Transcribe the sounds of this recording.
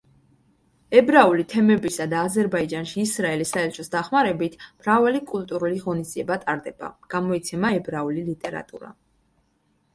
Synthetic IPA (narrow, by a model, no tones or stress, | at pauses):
ɛbɾaulit̪ʰɛmɛbisad̪aːzɛɾbaid͡ʒanʃiːsɾaɛlisaɛlt͡ʃʰɔsd̪aχmaɾɛbit̪ʰmɾavalikʼulˠt̪ʼuɾuliʁɔnisd̪ziɛbat̪ʼaɾd̪ɛb̥a̰ɡ̥amɔit̪sʰɛmaɛbɾaulilit̪ʼɛɾa̰t̪ʼṵɾa̰